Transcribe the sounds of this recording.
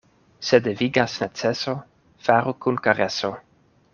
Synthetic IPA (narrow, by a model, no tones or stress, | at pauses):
sed̪eviɡasnat͡seso | faɾukunkaɾeso